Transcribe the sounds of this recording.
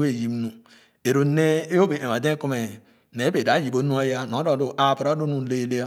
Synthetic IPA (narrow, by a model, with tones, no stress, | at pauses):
e˦˨ji˨m˦nu˨ | e˨ɾo˨ne˦e˦o˦be˨e˨a˨de˦ku˦me˨ | ne˨˦be˨da˨˦ji˨bo˦nu˦a˦ja˦no˨˦do˨du˨ʔa˨ba˨ɾa˦do˦nu˦˨le˦le˦a˦